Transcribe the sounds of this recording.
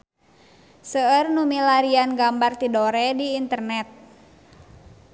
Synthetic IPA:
səərnumilaɾianɡambart̪idoɾɛdiːnt̪ərnɛt̪̚

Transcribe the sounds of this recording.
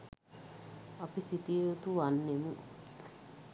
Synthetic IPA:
apisit̪ieut̪uʋanːemu

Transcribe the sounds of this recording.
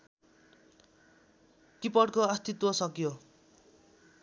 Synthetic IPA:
kipʌɽkoʌst̪it̪wʌsʌkjo

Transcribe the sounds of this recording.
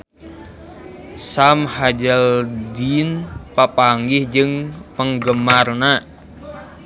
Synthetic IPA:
samhad͡ʒəldinpapaŋɡɪhd͡ʒɨŋpəŋɡəmarna

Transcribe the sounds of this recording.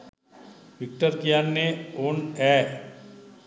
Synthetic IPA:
ʋɪk̚ʈəɾkijaːnːeoːnɛː

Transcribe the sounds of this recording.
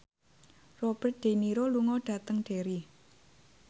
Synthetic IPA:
rɔb̥ərt̪̚d̪̥e̤niɾoluŋɔɖ̥ä̤t̪əŋɖ̥e̤ɾi

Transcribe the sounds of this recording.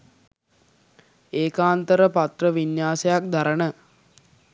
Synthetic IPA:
eːkaːnt̪əɾəpat̪rəʋinjaːsejak̚d̪aɾənə

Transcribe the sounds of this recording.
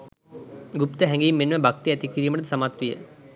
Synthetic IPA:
ɡupt̪əɦɛŋɡiːmːenʋəbak̚t̪iæt̪ikiɾiːməʈ̪sɐmat̪ʋijə̰

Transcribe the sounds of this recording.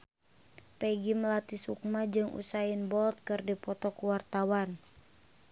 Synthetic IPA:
pɛɡiməlat̪isuk̚mad͡ʒɨŋʔṵsainbɔlt̪̚kɨrdipɔt̪ɔkuwart̪awan

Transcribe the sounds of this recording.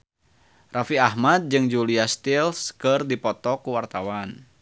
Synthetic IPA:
rafiahmat̪̚d͡ʒɨŋd͡ʒuliast̪ilskɨrdipɔt̪ɔkuwart̪awan

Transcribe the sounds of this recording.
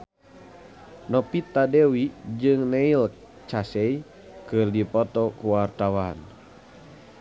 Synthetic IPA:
nɔpit̪adɛwid͡ʒɨŋnɛilk̚ | t͡ʃasɛi | kɨrdipɔt̪ɔkuwart̪awan

